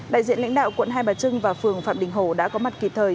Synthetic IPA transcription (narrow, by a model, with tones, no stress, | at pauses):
ɗa̰ː˧˨jzḭ˧ənla̰˧˥ŋ̟ɗa̰ː˧˨wkwə̰˧˨nɦaː˧jɓaː˨˩t͡ɕɨ˧ŋvaː˨˩fɨ˨˩əŋfa̰ː˧˨mɗï˨˩ŋ̟ɦo˧˩ɗa̰ː˧˥kɔ˨˦ma˨˩t̚ki˨˩p̚t̪ʰəː˨˩j